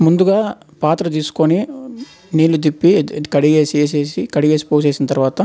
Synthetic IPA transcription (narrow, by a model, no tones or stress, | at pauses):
mund̪uɡaː | paːt̪ɾɐt̪̬iːsu̥koni | niːlːud̪̬ipːikɐɽiɡeːseːs̬eːsikɐɽiɡeːsi̥poːs̬e̞ːsinɐt̪ɐɾuʋaːt̪ɐ